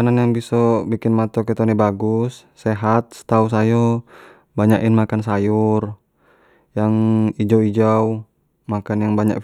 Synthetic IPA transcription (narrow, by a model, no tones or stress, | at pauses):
ananjaŋbisɔbikinmat̪ɔkɛt̪ɔnibaɡusːɛɦat̪̚sə̥t̪aus̬ajɔ | baɲaʔinmakansajur | jaŋid͡ʒawid͡ʒaw | makanjaŋbaɲa̰ʔ